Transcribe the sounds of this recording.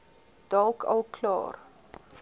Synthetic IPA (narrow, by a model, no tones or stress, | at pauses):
d̥ɑlˠkʰɐ̰lˠkʰlɑ̰ːr